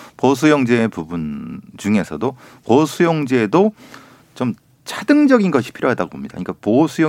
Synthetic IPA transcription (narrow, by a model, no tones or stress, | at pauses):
pʌs̬ʰujʌŋd͡ʑeːpubunt͡ɕuŋe̞sʰʌ̰dopʌsʰujʌŋd͡ʑeːdo | t͡ɕom | t͡ɕʰadɯŋd͡ʑʌɡinɡʌɕʰi̥pʰiɾjoɦadaɡobo̰mɲida̰ɲik͈aposʰujʌ